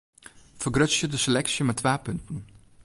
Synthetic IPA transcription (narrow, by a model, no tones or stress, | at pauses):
fərɡrøsjədəselɛksjəmɛtʰːʋaːpɵntən̩